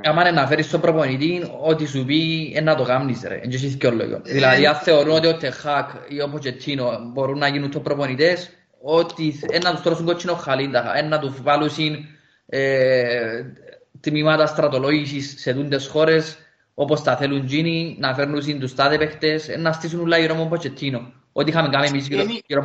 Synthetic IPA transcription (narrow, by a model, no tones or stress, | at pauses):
amanenːafeɾist̪opɾoponit̪inot̪isupienːɐt̪oɡamnisɾḛḛnd͡ʒes̬iθkolːo̰jo̰nðilɐðiaθe̞oɾunot̪iot̪ʰːexakʰ | iopot͡ʃet̪ʰːinobo̞ɾunːɐʝinunt̪opɾoponit̪es | ot̪ienːɐt̪ust̪ɾosuŋɡot͡ʃʰːinoxːalind̪ɐxa̰enːat̪uzvalusin | e | t̪mimɐt̪ast̪ɾɐt̪o̞loʝisisːeðund̪esxo̞ɾe̞s | opost̪ɐθelund͡ʒininɐfeɾnus̬ind̪ust̪aðepext̪esḛnːast̪is̬unulːaiɾomompʰot͡ʃet̪ʰːino | ot̪ixamiŋɡamemis̬ioiɾo